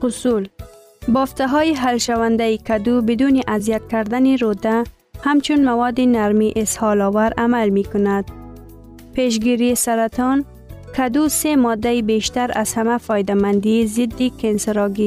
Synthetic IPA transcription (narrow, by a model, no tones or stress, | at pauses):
qʊsul | bɔft̪aɦɔiɦalʃawand̪aikad̪ubɪd̪uniʔazijat̪̚kaɾd̪aniɾod̪a | hamt͡ʃunmawɔd̪inaɾmiʔɪshɑlɔwaɾamalmikʊnad̪̚ | peʃ̬ɡiɾisaɾat̪ɔn | kʰad̪usemɔd̪ːaibeʃt̪aɾaz̥hamafɔjd̪amand̪izɪd̪ːikensɪɾɒɡi